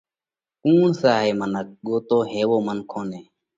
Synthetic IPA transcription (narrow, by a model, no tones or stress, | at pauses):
kuːɳsaːɦeːmənək̚ɠoːt̪oːɦeːʋoːmənkʰoːneː